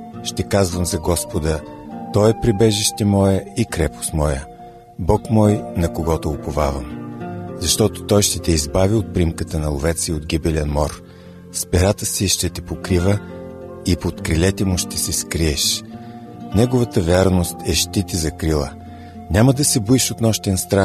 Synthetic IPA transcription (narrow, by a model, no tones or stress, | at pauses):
ʃt̪ɛkazvəmzɐɡɔspod̪ət̪ɔɛpɾibɛʒiʃt̪ɛmɔjəikɾɛpo̥smɔjə | bɔkmɔjnɐkoɡɔt̪oʊpovavə̰mzɐʃt̪ɔt̪o̥t̪ɔjʃt̪ɛt̪ɛizbaviot̪̚pɾimkət̪ənɐlˠovɛt̪siod̪ɡibɛlʲɛnmɔɾ | spɛɾat̪əsiʃt̪ɛt̪ɛpokɾivə | ipot̪kɾilɛt̪ɛmʊʃt̪ɛsɛskɾiɛʃ | nɛɡovɐt̪əvɛɾnost̪ɛʃt̪it̪izɐkɾilˠə̰ | nʲaməd̪ɐsɛbuiʃot̪nɔʃt̪ɛnst̪ɾa